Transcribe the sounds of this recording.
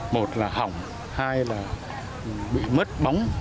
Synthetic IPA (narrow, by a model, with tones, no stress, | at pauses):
mo˨˩t̚laː˨˩ha˨˩wŋ͡m | haː˧jlaː˨˩˨ | ɓḭ˧˨mə˦˥t̚ɓa˨˦wŋ͡m